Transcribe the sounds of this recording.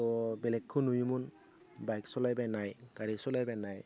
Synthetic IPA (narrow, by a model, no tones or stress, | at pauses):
ɔbɛlɛkʰːʊnujumun | bajksɔlajbanajkaɹisɔlajbɛnaj